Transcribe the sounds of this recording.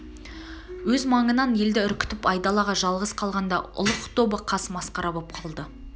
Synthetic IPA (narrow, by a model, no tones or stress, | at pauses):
wɵzmɑɴənɑnje̞ld̪ɪʏɾkʲʏ̥t̪ɪpɑjd̪ɑlˠɑʁɑʒɑlˠʁəsqʰɑlˠʁɑnd̪ɑʊ̰lˠəqt̪ʰo̞bəqʰɑsmɑsqɑɾɑbop̚qʰɑlˠd̪ə